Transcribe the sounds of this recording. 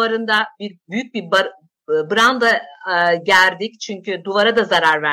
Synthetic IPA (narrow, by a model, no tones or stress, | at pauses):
aɾɯnd̪abiɾbyjyc̚bib | bɯɾand̪aɟæld̪ict͡ʃʰyɲcʰyd̪uvaɾad̪azaɾaɾvæ